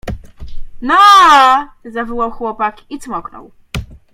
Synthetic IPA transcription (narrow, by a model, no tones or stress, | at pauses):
nɔ | zavɔwawxwɔpakit̪smɔknɔ̰w